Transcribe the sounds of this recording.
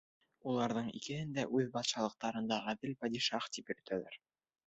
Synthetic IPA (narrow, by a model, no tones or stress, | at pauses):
ulˠɑɾðɤɴḭkɘ̆hɘnd̪æʔʉðbɑt̪ʃɑlˠɤ̆q̚t̪ɑɾɤ̆nd̪ɑʁæðɘlpɑd̪ʲiʃɑχt̪ipjɵ̆ɾ̆t̪ʰælæɾ